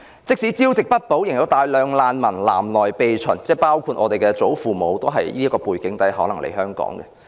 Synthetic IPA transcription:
t͡sɪ˥k̚siː˨˥t͡siː˥wt͡sɪ˨k̚pɐ˥t̚po˨˥wjɪ˨˩ŋjɐ˨˧wt̪aː˨jlœː˨˧ŋlaː˨nmɐ˨˩nla̰ː˨˩mlɔː˨˩jpe˨˧jt͡sʰɵ˨˩nt͡sɛː˥˩paː˥wkʰuː˧t̚ʔɔː˨˧t̪e˨jkɛː˧t͡so˨˥wfuː˨mo˨˧wt̪o˥wɦɐ˨jjiː˥ɐ˥kɔː˧puː˨˩jkɪ˨˥ŋt̪ɐ˨˥jɦɔː˨˥lɐ˨˩ŋlʔḛ˨˩jhœː˥ŋkɔ̰ː˨˥ŋɡɛ̰˧

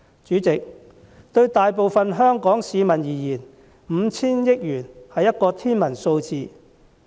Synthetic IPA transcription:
t͡ʃyː˨˥t͡sɪ˨k̚ | t̪ɵ˧ɥt̪aː˨jpo˨wfɐ˧nɦœː˥ŋkɔː˨˥ŋsiː˨˧mɐ˨˩njiː˨˩jiː˨˩n | m̩˨˧t͡sʰiː˥njɪ˥k̚jyː˨˩nhɐ˨jːɐ˥t̚kɔː˧t̪ʰiː˥nmɐ˨˩nso˧wt͡siː˨˧

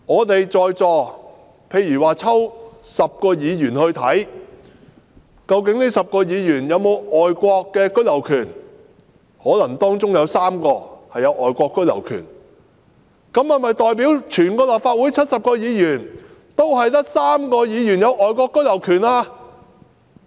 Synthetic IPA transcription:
ŋɔː˨˧t̪e˨jt͡sɔː˨jt͡sɔː˨˧ | pʰe˧jyː˨˩waː˨˩t͡sʰɐ˥wsɐ˨p̚kɔː˧jiː˨˧jyː˨˩nhɵ˧ɥt̪ʰɐ˨˥j | kɐ˧wkɪ˨˥ŋniː˥sɐ˨p̚kɔː˧jiː˨˧jyː˨˩njɐ˨˧wmo˨˧wʔɔː˨jkʷɔː˧kːɛː˧kɵ˥lɐ˨˩wkʰyː˨˩n | hɔː˨˥lɐ˨˩ŋt̪ɔː˥ŋt͡sʊ˥ŋjɐ˨˧wsaː˥mkɔː˧hɐ˨jɐ˨˧wʔɔː˨jkʷɔː˧kːɵ˥lɐ˨˩wkʰy̰ː˨˩n | kɐ˨˥mhɐ˨jmɐ˨jt̪ɔː˨jp̬iː˨˥wt͡ʃʰyː˨˩nkɔː˧lɐ˨p̚faː˧t̚wuː˨˥jt͡ʃʰɐ˥t̚sɐ˨p̚kɔː˧jiː˨˧jyː˨˩n | t̪o˥wɦɐ˨jt̪̬ɐ˥k̚saː˥mkɔː˧jiː˨˧jyː˨˩njɐ˨˧wʔɔː˨jkʷɔː˧kːɵ˥lɐ˨˩wkʰyː˨˩naː˧

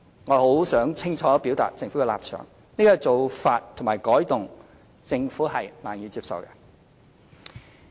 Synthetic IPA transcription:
ŋɔː˨˧ho˨˥wsœː˨˥ŋt͡sʰɪ˥ŋt͡ʃʰɔː˨˧pi˨˥wt̪a̰ː˨t̚t͡sɪ˧ŋfuː˨˥kɛː˧la̰ː˨p̚t͡ʃʰœ̰ː˨˩ŋ | niː˥˩kɔː˧˥t͡so˨wfaː˧t̚t̪ʰʊ˨˩ŋmaː˨˩jkɔː˨˥jt̪ʊ˨ŋ | t͡sɪ˧ŋfuː˨˥ɦɐ˨jlaː˨˩njiː˨˧t͡siː˧p̚sɐ̰˨wkɛ˧

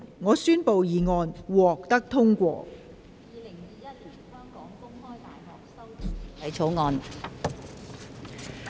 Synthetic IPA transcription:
ŋɔː˨˧syː˥npo˨wjiː˨ŋɔː˧nwɔː˨k̚t̪ɐ˥k̚t̪ʰʊ˥ŋkʷɔ̰ː˧ | jiː˨˧lɪ˨˩ŋjiː˨˧jɐ˥t̚liː˨˩nhœː˥ŋkɔː˨˥ŋkʊ˥ŋhɔː˥jt̪aː˨jɦɔː˨˩k̚sɐ˥wt̪ʰɐ˨˥jt͡ʃʰo˨˥wŋɔː˧n

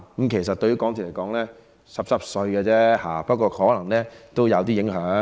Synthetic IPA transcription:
kə˨˥mkʰe˨˩js̬ɐ˨t̚t̪ɵ˧ɥy˨˥kɔː˨˥ŋt̪ʰːle˨˩kɔː˨˥ŋlɛː˥ | sɐ˨p̚sɐ˨˩p̚sɵ˧ɥɡɛ˧t͡sɛː˥haː˨pɐ˥t̚kʷɔː˧hɔː˨˥lɐ˨˩ŋlɛː˥t̪o˥wjɐ˨˧wt̪̬iː˥jɪ˨˥ŋɦœː˨˥

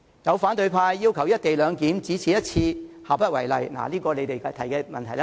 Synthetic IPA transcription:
jɐ˨˧wfaː˨˥nt̪ɵ˧ɥpʰaː˧jːiː˥wkʰɐ˨˩wjɐ˥t̚t̪e˨jlœː˨˧ŋkiː˨˥mt͡siː˨˥t͡sʰiː˨˥jɐ˥t̚t͡sʰiː˧haː˨pːɐ˥t̚wɐ˨˩jlɐ̰˨jna̰ː˨˩liː˥kɔː˧le˨˧jt̪e˨jt̪ʰɐ˨˩jkɛː˧mɐ˨nt̪ʰɐ˨˩jla˦˥

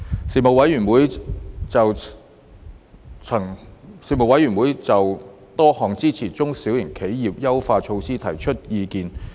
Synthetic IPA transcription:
siː˨˩mo˨wɐ˨˥jɥyː˨˩nwuː˨˥jt͡sɐ˨w | t͡sʰɐ˨˩ŋsiː˨˩mo˨wɐ˨˥jyː˨˩nwuː˨˥jt͡sɐ˨w | t̪ɔː˥hɔː˨ŋt͡siː˥t͡sʰiː˨˩t͡sʊ˥ŋsiː˨˥wjɪ˨˩ŋkʰe˨˥jːiː˨p̚jɐ˥wfaː˧t͡ʃʰo˧wsiː˥t̪ʰɐ˨˩jt͡ʃʰɵ˥t̚jiː˨˧kiː˨˧n

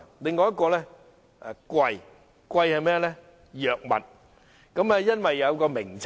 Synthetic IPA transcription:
lɪ˨ŋkɔː˨˧jɐ˥tkɔː˧lɛː˥ | a˨˧kʷwɐ˨˧j | kʷwɐ˧jhɐ˨jmɛː˥jɛ˨˧lɛ˥ | jœː˨k̚mɐ̰˨t̚ | kɐ˨˥mɛː˧jɐ˥nwɐ˨jːɐ˨˧wkɔː˧mɪ˨˩ŋt͡s

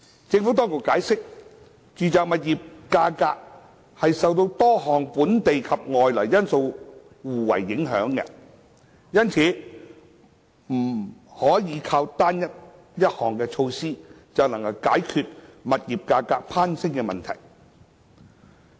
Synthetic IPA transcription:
t͡sɪ˧ŋfuː˨˥t̪ɔː˥ŋko˨kaː˨˥jsɪ˥k̚ | t͡ʃyː˨t͡saː˨k̚mɐ˨t̚jiː˨p̚kaː˧kaː˧k̚ | hɐ˨jsɐ˨wt̪o˧wt̪ɔː˥ɦɔː˨ŋpuː˨˥nt̪e˨jkʰɐ˨p̚ŋɔː˨jlɔː˨˩jjɐ˥nso˧w | wuː˨˩wɐ̰˨˩jːɪ˨˥ŋɦœ̰ː˨˥ŋkɛ̰˧ | jɐ˥nt͡sʰiː˨˥ | m̩˨˩hɔː˨˥jiː˨˧kʰaː˧wt̪aː˥njɐ˥t̚ | jɐ˥t̚hɔː˨˩ŋkɛː˧t͡ʃʰo˧wsiː˥ | t͡sɐ˨wnɐ˨˩ŋkɐ˧wkaː˨˥jkʰyː˧t̚mɐ˨t̚jiː˨p̚kaː˧kaː˧k̚pʰaː˥nsɪ˥ŋkɛ˧mɐ˨nt̪ʰɐ˨˩j

